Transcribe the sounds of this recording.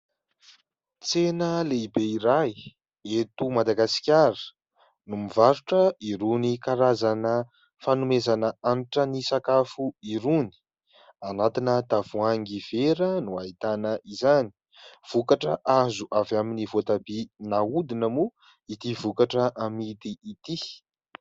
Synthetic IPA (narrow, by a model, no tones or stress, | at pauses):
t͡senəleibeiɾaj | et̪umad̪aɡasi̥kʲaɾə̥ | numivaɾuʈ͡ʂəiɾunikaɾazanə | fanumezanəaniʈ͡ʂənisakafuiɾuni̥ | anat̪inət̪av̥uaŋɡiv̥eɾənuait̪anəʔizani̥ | v̥ukaʈ͡ʂə̰ʔazuʔavaminivot̪abinaud̪inəmu | it̪ivukaʈ͡ʂəʔamit̪iːt̪i